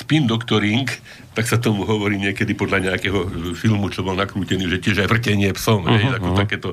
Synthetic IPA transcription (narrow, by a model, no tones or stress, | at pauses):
spind̪ɔkt̪ɔɾiŋk | t̪aksat̪ɔmuɦɔʋɔɾiːɲɪɛkɛd̪ipɔd̪laɲɛakɛːɦɔfilmut͡ʃɔbɔlnakɾuːcɛniːʒɛcɪɛʒajʋr̩cɛɲɪɛpsɔmɦɛjaɔt̪akɛːt̪ɔ